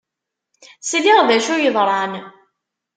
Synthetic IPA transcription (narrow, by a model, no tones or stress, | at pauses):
sliʁðæʃʊjəðˤɾˤɑn